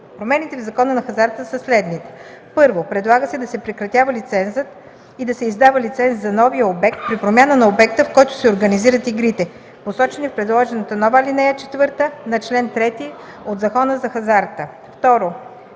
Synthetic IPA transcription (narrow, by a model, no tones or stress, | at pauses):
pɾomɛnit̪ɛvzɐkɔnənɐxɐzaɾt̪əsəslɛd̪nit̪ɛ̥ | pɤɾvopɾɛd̪lˠaɡəsɛd̪ɐsɛpɾɛkɾɐt̪ʲjavəlit̪sɛnzət̪ | id̪ɐsɛizd̪avəlit̪sɛnszɐnɔvijəobɛk̚t̪̚pɾipɾomʲjanənɐobɛk̚t̪əfkɔjt̪ʊ̥sɛoɾɡəniziɾət̪iɡɾit̪ɛ | posɔt͡ʃɛnifpɾɛd̪lˠɔʒɛnət̪ənɔvəlinɛjət͡ʃɛt̪vɤɾt̪ənɐt͡ʃlɛnt̪ɾɛt̪i | od̪zɐkɔnəzɐxɐzaɾt̪ə | ft̪ɔɾo